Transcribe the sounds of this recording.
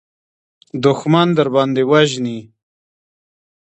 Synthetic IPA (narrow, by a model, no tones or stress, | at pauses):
d̪ʊxmand̪əɾbɑnd̪ewaʒni